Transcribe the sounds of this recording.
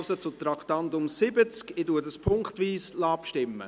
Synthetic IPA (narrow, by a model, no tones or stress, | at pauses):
sət͡sʊt̪ɾɑktɑndʊmsɪbət͡skɪduːəɾdəspʰʊŋkχtʋiːslɑːpʃtɪmːə̰